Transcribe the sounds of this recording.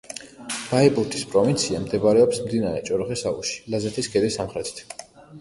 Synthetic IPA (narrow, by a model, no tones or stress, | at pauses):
b̥aipʼuɾt̪ʰispʼɾɔvint̪sʰiamd̪ɛbaɾɛɔpsmd̪inaɾɛt͡ʃʼɔɾχɛsaṵʃi̥lazɛt̪ʰisɡɛd̪isamχɾɛt̪ʰi̥t̪ʰ